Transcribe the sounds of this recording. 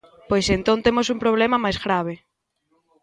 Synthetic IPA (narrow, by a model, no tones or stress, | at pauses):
pojsent̪õnt̪emosumpɾoβ̞lemamajzɣɾaβ̞e